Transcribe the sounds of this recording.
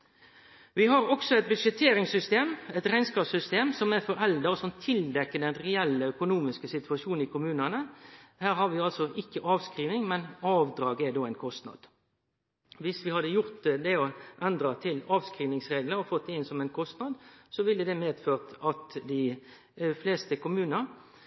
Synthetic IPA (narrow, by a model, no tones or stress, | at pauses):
ʋɪɦɑɾɔksɔɛɪt̪̚bʉʃɛt̪ʰeːɾɪŋsʏst̪eːmɛt̪ʁæɪnskɑːpsʏst̪eːmsɔmæɾfɔɾɛld̪əʁɔsɔmt̪ʰɪld̪ɛkːəd̪ɛnʁɛɛlːəœkʊnuːmɪskəsɪt̪ʉɑʃuːn̩ɪkʰʊmʉːnɑnəhæːɾhɑʋɪɑlsɔʔɪkːəʔɑːʋskɾiːʋnɪŋmɛnɑːʋd̪ɾɑːɡɛd̪oːæɪnkʰɔst̪nɑ̰d̪̥ | ʋɪsʋɪhɑd̪əjʊʁt̪d̪ɛɔʔɛnd̪ɾɑt̪ʰɪlɑːʋskɾiːʋnɪŋsʁeːɡləɾɔfɔt̪̚d̪ɛɪnsɔmɛɪnkʰɔst̪nɑd̪sɔʋɪlːəd̪ɛmeːd̪føːʁt̪ɑt̪d̪ɪ | fleːst̪əkʊmʉːnəʁ